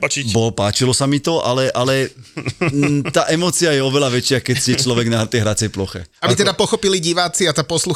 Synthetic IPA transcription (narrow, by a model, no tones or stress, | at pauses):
bɔpaːt͡ʃilɔsamit̪ɔʔalɛʔalɛ | t̪aːʔɛmɔːt͡siajɛɔʋɛlaʋɛt͡ʃɪakɛcsɛt͡ʃlɔʋɛɡnaɦɾ̩t̪ɛjɦɾat͡sɪɛjplɔxɛ̰abit̪ɛd̪apɔxɔpiliɟiʋaːt͡siat̪apɔslu